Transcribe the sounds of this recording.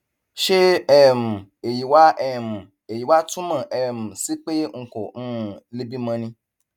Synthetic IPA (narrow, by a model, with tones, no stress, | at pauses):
ʃe˦ɛ˦˨mũ˨e˨ji˨wa˦ʔɛ˦˨mũ˨ | e˨ji˨wa˦tũ˦mã˦˨ʔɛ˨m̩̃˨si˨˦k͡pe˦ŋ̩˨kɔ˨ñ̩˦˨˦le˦bi˦mã˧nĩ˧